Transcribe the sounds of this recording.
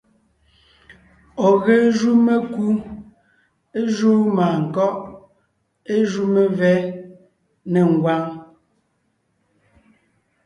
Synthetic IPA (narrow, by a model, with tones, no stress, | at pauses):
ɔ˨ɣe˦ʒu˦me˦ku˦ | e˦ʒu˦maː˨ŋ̩˨kɔ˦ʔ | e˦ʒu˦me˦vɛ˦ | ne˨ŋ˨ɡwa˦ŋ